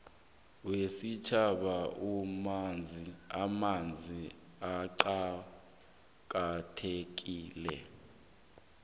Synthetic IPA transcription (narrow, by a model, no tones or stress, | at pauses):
wesit͡ʃʰaɓaumand͡zʱiamand͡zʱi | aǃa | k̬ʼatʰek̬iːlɛ̰